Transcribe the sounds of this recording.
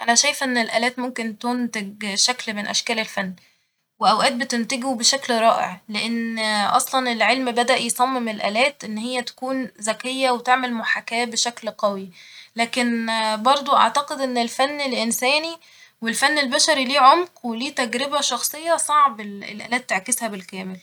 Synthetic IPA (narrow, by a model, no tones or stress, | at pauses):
ʔænæʃæjefʔenːelʔæːlæːt̪momkent̪ont̪eɡ̚ʃæklmenʔæ̰ʃkæːlelfænː | weʔæwʔæːt̪̚bet̪ent̪æɡubeʃæklɾˤɑːʔḛʕleʔenʔɑ̰sˤlɑnelʕelmbæd̪æʔjesˤɑmːemelʔæ̰ːlæːt̪ʔenːhejːæt̪æ̥kuːnzækejːæwet̪eʕmelmoħakæːbeʃæklqɑwilæːkenbɑɾˤd̪ˤoʔɑ̰ʕt̪ɑqed̪ʔenːelfænːelʔensæːni | welfænːelbæʃæɾiliːʕomqweliːt̪æɡɾebæʃɑxsˤejːɑsˤɑʕbelḛlʔæ̰ːlæːt̪ːeʕkeshæbelkæːmel